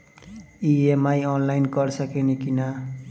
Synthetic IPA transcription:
iemajʌnlajnkʌrsʌkenekina

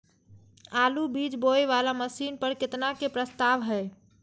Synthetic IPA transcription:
alubid͡ʒboeʋalaməsinpəɾket̪nakepɾəst̪aʋɦɛj

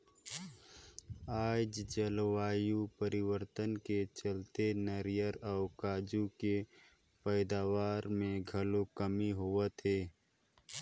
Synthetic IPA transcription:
aːd͡ʒd͡ʒəlwaːjupəɾɪwəɾt̪ənket͡ʃəlt̪enəɾɪjəɾɔːʊkaːd͡ʒuke | pəːd̪aːwaːɾmẽɡʱəlokəmiɦʊət̪ɦeː

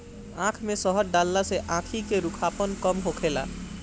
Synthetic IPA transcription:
ãkʰmesəɦəɾɖalːaseʔãkʰikeɾukʰapənkəmɦokʰela̰

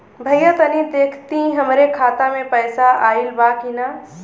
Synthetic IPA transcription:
bʱəjjət̪ənid̪eːkʰt̪iɦəmɾekʰaːt̪amẽpəjsaʔaːilbakina

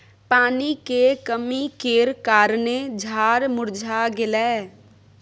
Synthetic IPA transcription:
paːnikekəmikeːɾkaːɾned͡ʒʱaːɾmʊɾd͡ʒʱaːɡɪlɛː

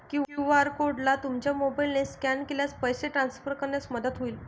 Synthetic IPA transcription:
kĩʋaɾkoɖlat̪umt͡ɕjamobailneskænkeljat͡spəjseʈɾansfəɾkəɾnjat͡sməd̪ət̪ɦoiːl

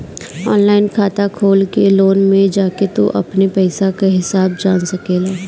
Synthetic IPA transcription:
ɔːnlaːɪnkʰaːt̪akʰoːlkeloːnmẽd͡ʒaːket̪o̰ʔɐ̰pnepɛːsakaɦɪsaːb̚d͡ʒaːnsɐkeːlaː

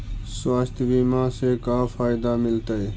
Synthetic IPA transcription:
swaːst̪ʰʋiːmãːseːkaːfaːɪd̪aːmɪlt̪əeː

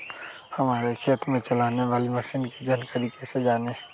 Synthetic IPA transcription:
həmaːɾekʰeːt̪mẽt͡ʃəlaːneʋaːliməsiːnkid͡ʒənkəɾikesed͡ʒaːneɦ

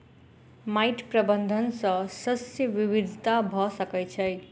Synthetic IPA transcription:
majʈprʌbʌnd̪ʱʌnsʌsʌsjʌbibid̪ʱit̪abʱʌsʌkʌjt͡sʰʌj

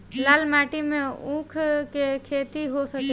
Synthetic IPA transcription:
laːlmaːʈimeũkʰkekʰeːt̪iɦosək

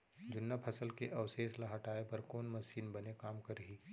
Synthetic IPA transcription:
d͡ʒʊnːapʰɐsəlkeʔɐwseːslaɦɐʈaːepɐɾkoːnmɐsiːnbɐnekaːmkɐɾɦiː

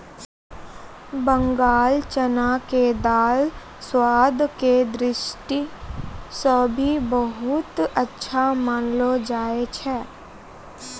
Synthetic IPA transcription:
bə̃ŋɡaːlt͡ʃənaked̪aːl | swaːd̪ked̪ɾɪʃʈi | sobʱibəɦʊt̪ətːʃʰamaːnlod͡ʒaːet͡ʃʰɛː

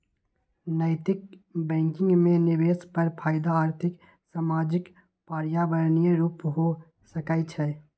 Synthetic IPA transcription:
nəɪt̪ɪkbɛ̃ːŋkɪ̃ŋɡmẽnɪʋeːspəɾpʰaːɪd̪aːɾt̪ʰɪk | saːmaːd͡ʒɪk | paːɾjabəɾnijeɾuːpɦo | səkait͡ʃʰɛ

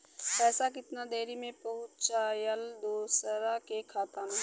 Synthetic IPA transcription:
pɛːsak̬ɪt̪nad̪eːɾimẽpɐɦʊt͡ʃajəld̪oːsəɾakekʰaːt̪ana

